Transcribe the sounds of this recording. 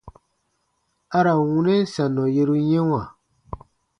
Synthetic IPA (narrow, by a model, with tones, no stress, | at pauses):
a˦ɾa˨wũ˦nɛ̃˦sã˨nɔ̃˨je˧ɾu˦jɛ̃˦w̃ã˨